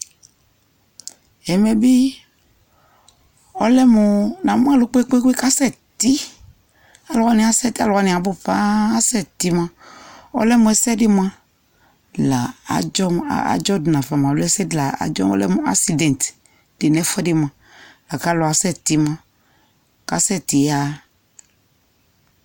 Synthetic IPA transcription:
ɛ˨mɛ˨bi˦ | ɔ˦lɛ˦mũ˨nã˨m˦ã˦lo˨˦k͡po˦e˦k͡po˦e˦ko˦e˦ka˦sɛ˦˨ | t̪i˦ | a˨lɔ˨ɣa˦nĩ˨a˨sɛ˦˨t̪i˦a˦˨lɔ˨ɣa˦nĩ˨a˨bo˦pã˦a˦sɛ˦˨t̪i˦mã˦ɔ̰˦lɛ˦mũ˨ɛ˨sɛ˦ɖɪ˦m˦ã˦ | la˨a̰˨d͡ʒɔ˦m̰˨a̰˨˦d͡ʒɔ˦dnã˨fa˨mã˨ɔ˨lɛ˦sɛ˦dla˨a̰˨d͡ʒɔ̰˦m˦ɔ̰˦lɛ̰˦mũ˦a̰˦si˨dɛ̃˨n˨t̪ | de˨nɛ̃˦fɛ˦dɪ˦m˨ã˨ | la˨ka˦lɔ˨a˨sɛ˦˨t̪i˨˦mã˦ | ka˨˦sɛ˦˨t̪i˨ja˦

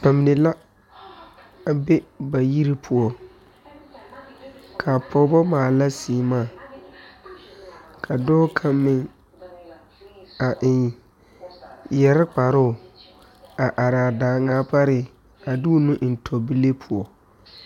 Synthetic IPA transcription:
pa˨mɪ˨nɪ˨la˦ | a˨be˦ba˨ji˦ɾi˦pʰʊ˨ɔ˨ | kʰa˨pʰɔ˨˦bɔ˦maː˨la˦si˨˦maː˦˨ | kʰa˨dɔː˦kʰa˦mːɪ˦ŋ | a˨ʔɪ˨ | jɛ˨ɾɪ˦k͡pa˨ɾʊ˦˨ | a˨ʔa˨ɾaː˨daː˨ŋaː˦pa˦ɾɪ˦ | a˨du˦nʊ̃˦ʔn̩˨tʰɔ˨bi˦le˦pʰʊ˨ɔ˨

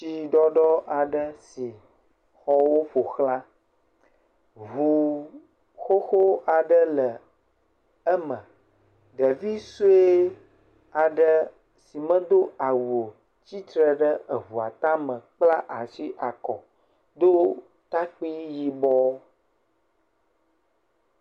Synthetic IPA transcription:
t͡ʃi˨ɖɔ˦ɖɔ˦a˨ɖə˦si˨ | xɔ˦wo˦ɸo˨xlã˦ | vu˨ | xo˦xo˦a˨ɖə˦lə˨ | ə˦mə̰̃˨ | ɖə˨vi˦su˦e˦ | a˨ɖə˦ | si˨mə̃˦d̪o˦a˨wo˨ | t͡ɕi˦t̪ɾə˨ɖə˦ə˨βu˨a˨t̪a˦mə̃˨k͡pla˦ʔa˨si˦ʔa˨kɔ˨ | d̪o˦ | t̪a˦k͡pi˦ji˨bɔ˦

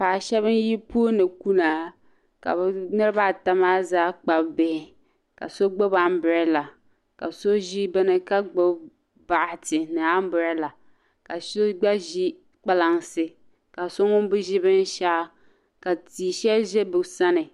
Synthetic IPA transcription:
paː˨ʃɛ˦βɨ˦nji˦pu˦o˦nɨ˨ku˦na˨ | ka̰˨bnɨ˦ɾɨ˦ba˦˨ta˦maː˦zaː˦k͡pa˨bbe˨˦˨ | ka̰˨so˦ɡ͡bo˦ba˦m˦bʊ˨ɾɛ˦la˨ | ka̰˨so˦ʒi˦bɨ˦nɨ˦ka˦ɡ͡bo˦ | ba˨ʔtɪ˨nɨ˨a˦m˦bʊ˨ɾɛ˦la˨ | ka˨so˦ɡ͡ba˦ʒi˦ | k͡pa˦la˨ŋsɨ˨ | ka˨so˦ŋʊ˦bɨ˦ʒɪ˦bɨ˦n˦ʃa˦ | ka˨tiː˨ʃɛ˦ʒɛ˦bɨ˨sa˦nɨ˨

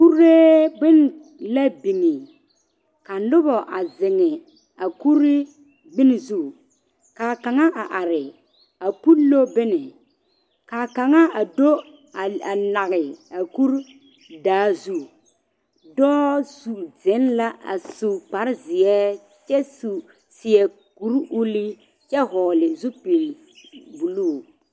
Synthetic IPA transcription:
ku˦ɾe˦ɡ͡bɪ˦n˨ | la˦bi˨ŋi˨ | ka˨lʊ˦bɔ˨ʔa˨zɪ˨ŋɪ˨ | a˨ku˦ɾɪ˦ | ɡ͡bɪ˦n˨zu˦˨ | ka˨ka˨ŋa˦ʔa˨ʔa˨ɾɪ˨ | a˨pu˦lːo˦bɪ˦nɪ˨ | ka˨ka˨ŋa˦a˨do˦˨ | a˨na˨ɣɪ˨a˨ku˦ɾ | daː˨˦zu˦ | dɔː˦su˨zɪ˨˦nla˦ʔa̰˨su˨k͡pa˨ɾɪ˦zɪ˨ɛ˦ | t͡ʃɛ˦su˨ | sɪ˨ɛ˨ | ku˨˦ɾʔu˦li˦ | t͡ʃɛ˦ɦɔː˨lɪ˨zu˦pi˨l | bu˨lu˦˨

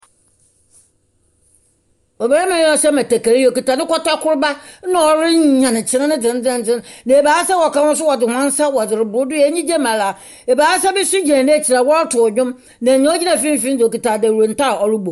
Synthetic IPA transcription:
ɔ˨be˨ɾa˦mã˨˦jɔ̃˦sɛ˦mæ˨tæ˨kæ˨ɾi˦jo˨ki˨ta˨nɪ̃˦kɔ˦ta˦kʰʊ˦ɾba˦ã˨˦ɔ˨ɾɪ˦ɲ˦ɲã˨nɪ̃˨t͡ɕʰɪ˨nã˦nɪ̃˦d͡zɪ̃˨n˦d͡zɛ̃˦n˦d͡zɪ̃˦nnã˨e˨baː˨˦sɛ˦wɔ˨ka˦hʊ̃˦s̬ʊ˦wɔ˨d͡zɪ˨hã˦n˦sa˦wɔ˨d͡zɪ˨ɾɪ˨bʊ˨ɾʊ˦dʊ˦jɲĩ˦d͡ʑɛ˦mã˨la˨ | ɛ˨baː˨˦sɛ˦bɛ˦sʊ˦d͡ʑi˨ã˨nɪ̃˦ɛ˦˨t͡ɕʰi˨ɾa˨wɔ˦tʰʊ˨ɲᶣʊ̃˦m | nã˨ɲã˦ɔ˦d͡ʑi˦nã˨fĩ˦m˦fĩ˦n˦d͡zo˨ki˨tʰa˨dɛ˨wu˨o˨n̩˨ta˦˨ɔ˨ɾʊ˦bo˨

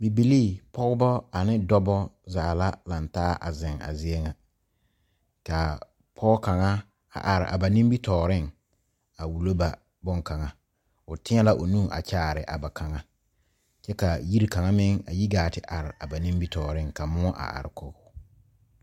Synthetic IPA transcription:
bi˨bi˨liː˦˨pɔ˦ɣʊ˦bɔ˦a˨nɪ˦dɔ˦bɔ˦zaː˨la˦la˨ntaː˦ʔa̰˨zɪ˨ŋa̰˨zɪ˦ɛ˦ŋa˨ | ka˨ | pʰɔ˦ka˨ŋa˦ | a̰˨ʔa˨ɾɪ̰˨ʔa̰˨ba˨nĩ˦mbi˦tɔː˨ɾɪ˦ŋ | a˨wu˨lo˦ba˨ | bɔ˦ŋka˨ŋa˦ | ʊ˨tɪ˦ɲɛ˦la˦ʔo˨nũː˦˨ʔa̰˨t͡ʃaː˦˨ɾɪ˨ʔa˨ba˨kʰa˨ŋa˦ | t͡ʃɛ˦ka˨ji˦ɾi˦ka˨ŋa˦mɪ˦ŋa̰˨ji˦ɡaː˨tɪ˨ʔa˨ɾɪ˨a˨ba˨nĩ˦mbi˦tɔː˨ɾɪ˦˨ŋka˨mʊ˦ɔ˦ʔa̰˨ʔa̰˨ɾɪ˨ko˦˨

